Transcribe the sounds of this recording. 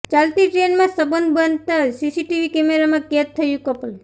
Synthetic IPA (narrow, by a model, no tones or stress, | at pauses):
t͡ʃalt̪iʈɾenmãsəbənd̪bənt̪asisiʈiʋikemeɾamãket̪ʰːəjũkəpəl